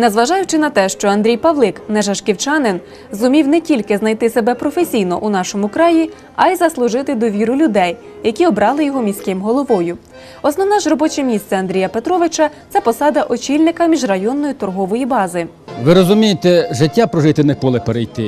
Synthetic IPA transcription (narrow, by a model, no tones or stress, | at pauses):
nɛzʋɐʒɑjʊt͡ʃɪnɐt̪ɛʃt͡ʃɔɐnd̪ɾʲijpɐʋlˠɪknɛʒɐʃkʲiwt͡ʃɑnɪn | zʊmʲiwnɛtʲilʲkɪznɐjt̪ɪsebɛpɾɔfesʲijnɔʔunɑʃɔmʊkɾɑji | ɐjzɐslˠʊʒɪt̪ɪd̪ɔʋʲiɾʊlʲʊd̪ɛj | jɐkʲiɔbɾɑlˠɪjɔɦɔmʲisʲkɪmɦɔlˠɔʋɔjʊ | ɔsnɔwnɑʒrɔbɔt͡ʃɛmʲist̪sɛɐnd̪ɾʲijɐpet̪ɾɔʋɪt͡ʃɐt̪sɛpɔsɑd̪ɐʔɔt͡ʃʲilʲnɪkɐmʲiʒrɐjɔnːɔjit̪ɔrɦɔʋɔjibɑzɪ | ʋɪɾɔzʊmʲijet̪ɛʒɪtʲːapɾɔʒɪt̪ɪnɛkɔlˠɪpeɾejt̪ɪ